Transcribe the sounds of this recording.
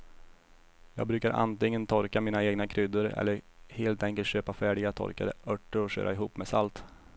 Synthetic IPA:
jɑ̰ːɡbɾʉ̟ːkaɾʔa̰nt̪ɪŋːənt̪ʰɔɾkamiːnaeːɡnakʰɾʏd̪əɾɛ̰lːəɾheːlt̪ɛŋkəlt̪ɕøːpafæːɖɪɡat̪ʰɔ̰ɾkad̪ə̰ʔœʈːəɾɔɕø̰ːɾʔa̰ɪɦuːpːmɛsalt̪

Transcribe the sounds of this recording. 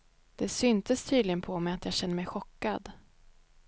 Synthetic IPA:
d̪̥ɛsʏnt̪ʰəst̪ʰyːd̪lɪɡənpʰɔmɛjat̪jɑːɡɕɛnːəɾmɛjɧɔkːad̪

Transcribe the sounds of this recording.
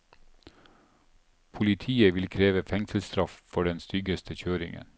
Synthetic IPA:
pʰʊlɪt̪ʰiːəʋɪlkʰɾeːʋəfɛŋsəl̩st̪ɾɑffɔɖɛnst̪ʏɡəst̪ʰəçøːɾɪŋə̰n

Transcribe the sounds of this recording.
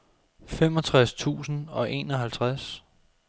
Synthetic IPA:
femɒ̽t͡sʰʁast͡sʰṵːsn̩ɒ̽ʔe̝̰ːnɒ̽ɦælt͡sʰʁas

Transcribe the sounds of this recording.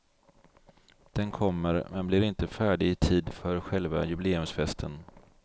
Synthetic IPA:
d̪̥ɛnkʰɔmːəɾmɛnblɪɾɪnt̪əfæːɖɪɪt̪ʰiːd̪fœɾɧɛlva̰jɵbɪleːɵmsfɛst̪ʰən

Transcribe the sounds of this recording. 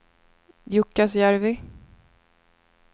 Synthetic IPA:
jʊkːasjæɾvɪ

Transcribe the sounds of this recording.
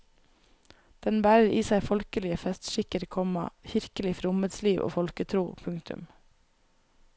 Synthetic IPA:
d̪̥ɛnbæːɾəɾiːsæɪfɔlkəlɪəfɛst̪ʃɪkəɾkʰɔmɑ̰çɪɾkəlɪfɾʊməd̪sliːʋʔo̰ːfɔlkət̪ʰɾuːpʰʉŋkt̪ʉ̰m

